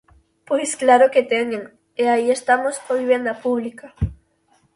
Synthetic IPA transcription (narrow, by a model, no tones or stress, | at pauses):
pwesklaɾoket̪eŋeŋ | eaie̞st̪amoskoβiβje̞nd̪apuβlika